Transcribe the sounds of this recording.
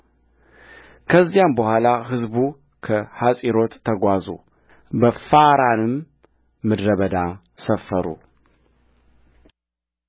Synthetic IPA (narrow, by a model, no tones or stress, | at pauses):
kʰəzːijambəhʷalaɦɨzbu | kʰəhasʼiɾo̞t̪ʰːəɡʷazu | bəfaɾanɨmː | ɨd̪ɾəβəd̪a | səfːəɾṵ